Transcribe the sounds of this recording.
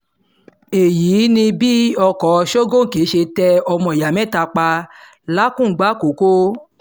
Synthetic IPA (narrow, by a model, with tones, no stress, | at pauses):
e˨jiː˨˦nĩ˧bi˦ɔ˧kɔ˨˦˧ʃo˦ɡõ˦˨ke˨˦ʃe˧tɛ˧ɔ˧mɔ̃˧˨ja˨mɛ̃˦˨ta˧k͡pa˧ | la˦kũ˦˨ɡ͡ba˦ko˨˦ko˦